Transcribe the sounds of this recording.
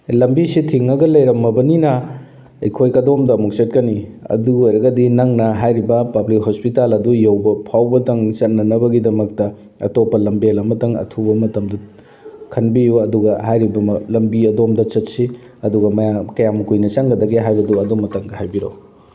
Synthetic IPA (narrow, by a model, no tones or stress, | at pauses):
lɐmbisitʰiŋɐɡɐlɐjɾɐmːɐbɐninɐ | ɐ̰jkʰojkɐdomdɐmuk̚sɐt̚kɐniɐ̰duojɾɐɡɐdinɐŋnɐɦajɾibɐpɐblikhospitalɐdujewbɐpʰawbɐtɐŋt͡ʃɐt̚nɐnɐbɐɡidɐmɐk̚tɐ | ɐ̰topːɐlɐmbielɐmɐtɐŋɐ̰tʰubɐmɐtɐmdɐ | kʰɐnbijuɐduɡɐhajɾibɐlɐmbiɐdomdɐt͡ʃɐtsi | ɐduɡɐmɐjakɐjamukujnɐt͡ʃaŋɡɐdɐɡeɦajbɐduɐdomɐtɐŋdɐhajbiɾo̰w